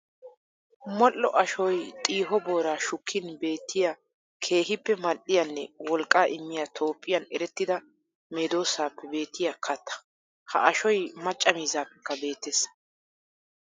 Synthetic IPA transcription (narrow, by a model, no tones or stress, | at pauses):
mɔlːɔʔɐʃɔjt̪ʼiːɦɔbo̞ːɾaːʃʊkʰːɪnbe̞ːt̪ːɪja | kʰe̞ːɦɪpːɛmɐɗːɪjɐnːɛwɔlkʼaːʔɪmːɪjat̪ʰo̞ːpʼːɪjɐnɛɾɛt̪ːɪd̪ɐ | me̞ːd̪o̞ːsaːpːɛbe̞ːt̪ʰːɪjakʰɐt̪ʰːɐ̥ | hɐ̰ʔɐʃɔjmɐt͡ʃʼːɐmiːzaːpːɛkːɐbe̞ːt̪ːeːs